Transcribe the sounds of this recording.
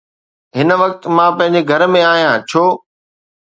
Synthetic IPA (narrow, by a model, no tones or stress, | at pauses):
ɦɪnə̆ʋɐkt̪mãːpɐ̃ɦɪ̃ɲ̆d͡ʑeɡʱɐɾmẽaːɦijãːt͡ɕʰoː